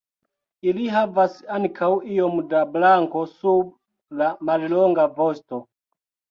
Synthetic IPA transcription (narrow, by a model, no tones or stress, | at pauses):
iliɦavasaŋkʰawijomdablaŋko̞sub̚ | lamalloŋɡavosto